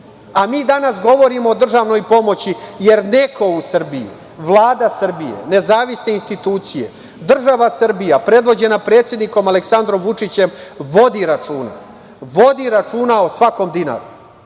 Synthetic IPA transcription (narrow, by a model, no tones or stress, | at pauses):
amiːd̪anasɡo̞ʋo̞ɾimoːd̪r̩ʒaʋno̞jpo̞mo̞t͡ɕije̞ɾne̞kʰo̞usr̩bijṵ | ʋlˠaːd̪asr̩bijḛne̞zaːʋisne̞inst̪it̪uːt̪sije̞̰ | d̪r̩ʒaʋasr̩bijapɾe̞d̪ʋo̞d͡ʑe̞napɾe̞ːt̪sʲje̞d̪niko̞maleksand̪ɾo̞mʋut͡ʂit͡ɕe̞mʋo̞d̪iɾat͡ʂuːna̰ | ʋo̞d̪iɾat͡ʂuːnaosʋako̞md̪ina̰ɾu